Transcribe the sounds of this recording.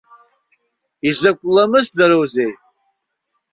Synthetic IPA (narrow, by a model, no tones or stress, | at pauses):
izakʷʼlamɨzdaɾowzej